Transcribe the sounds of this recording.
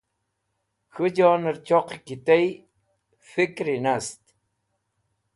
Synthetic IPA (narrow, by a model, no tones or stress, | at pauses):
xud͡ʑɑːnəɾt͡ɕoqikit̪ej | fikɾinast̪